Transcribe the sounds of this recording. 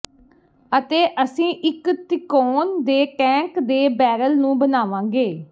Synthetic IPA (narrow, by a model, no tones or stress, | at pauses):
ət̪eːʔəsĩːʔɪkt̪ɪkoːnd̪eːʈɛ̃ːkd̪eːbɛːɾəlnũːbənaːʋãːɡeː